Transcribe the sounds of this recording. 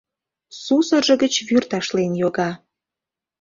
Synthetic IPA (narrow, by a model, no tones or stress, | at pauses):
susəʒə̆ɡət͡ɕβyrt̪ɑʃlenjoɣɑ